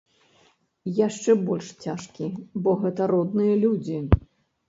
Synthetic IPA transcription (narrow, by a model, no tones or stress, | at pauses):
jaʂt͡ʂɛbɔlʲʂt͡sʲaʂkʲibɔɣɛt̪ɐɾɔd̪nɨjɐlʲud͡zʲi